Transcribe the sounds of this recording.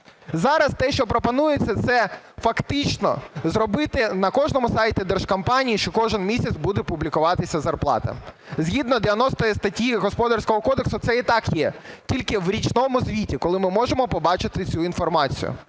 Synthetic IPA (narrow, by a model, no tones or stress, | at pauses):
zɑɾɐst̪ɛʃt͡ʃɔpɾɔpɔnujet͡sʲːɐt̪sɛ | fɐkt̪ɪt͡ʃnɔ̰zɾɔbɪt̪ɪnɐkɔʒnɔmʊsɑjtʲɪd̪ɛrʃkɐmpɑnʲijiʃt͡ʃɔkɔʒɪnmʲisʲɐt̪sʲbud̪ɛpʊblʲɪkʊʋɑt̪ɪsʲɐzɐrplˠɑ̰t̪ɐ̰ | zʲɦʲid̪nɔd̪eʋʲjɐnɔst̪ɔjɛst̪ɐtʲjiɦɔspɔd̪ɐrsʲkɔɦɔkɔd̪eksʊt̪sɛit̪ɑkjɛtʲilʲkɪwɾʲit͡ʃnɔmʊzʲʋʲitʲikɔlˠɪmɪmɔʒemɔpɔbɑt͡ʃɪt̪ɪt͡sʲuin̪fɔrmɑt͡sʲḭjʊ̰